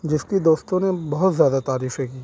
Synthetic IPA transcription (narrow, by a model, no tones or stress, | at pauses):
d͡ʒɪskid̪oːst̪õnebɐɦʊt̪zjaːd̪at̪aːɾiːfɦɛ̃kiː